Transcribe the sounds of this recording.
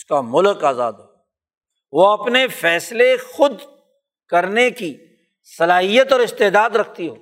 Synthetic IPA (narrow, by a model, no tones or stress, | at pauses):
skamʊlkaːza̰ːd̪ɦoː | ʋoɐpnefɛːslexʊd̪ | kɐɾneki | sɐlaːɦijət̪ɔːɾɪst̪eːd̪aːd̪ɾɐkʰt̪iɦoː